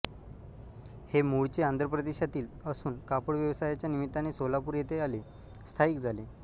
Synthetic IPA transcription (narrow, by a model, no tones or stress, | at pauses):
hemuɭt͡ɕeand̪ɾəpɾəd̪eɕat̪iːləsuːnkapəɽʋjəʋsajat͡ɕjanimit̪ːañisolapuːɾjet̪eale | st̪ʰaiːkd͡zʱale